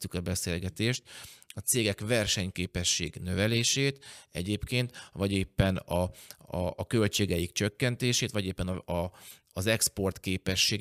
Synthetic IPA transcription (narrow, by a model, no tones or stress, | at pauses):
t̪ːykɒbɛseːlɡɛt̪eːʃt̪ɒt̪seːɡɛkvɛrʃɛɲkeːpɛʃːḛːɡnø̞vɛleːʃeːt̪ɛ̰ɟeːpkeːnt̪ʋɒɟeːpːɛnɒɒːkølt͡ʃeːɡɛjikt͡ʃø̞kːɛnt̪eːʃeːt̪ʋɒɟeːpːɛnɒɒː | zɛkspo̞rt̪keːpɛʃːeːɡ